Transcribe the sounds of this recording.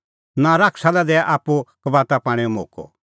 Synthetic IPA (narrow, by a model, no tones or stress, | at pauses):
nãɾakʰsalɛd̪ɛaʔaːpːukəbaːt̪apãːɽ̃eɔmoːkɔ̰